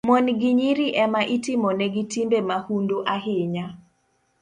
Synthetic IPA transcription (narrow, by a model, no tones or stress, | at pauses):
mɔnɡiɲiɾiʔɛmaʔitɪmɔnɛɡitimbemahundoʔaɦɪɲa